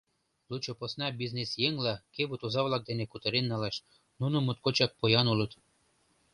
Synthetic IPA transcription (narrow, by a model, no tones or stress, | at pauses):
lut͡ɕŏposnɑbiznesjeŋlɑkeβut̪ozɑβlˠɑk̚d̪enekut̪ɤ̆ɾenːɑleʃ | nunŏmut̪̚kot͡ɕɑk̚pojɑnulɤ̆t̪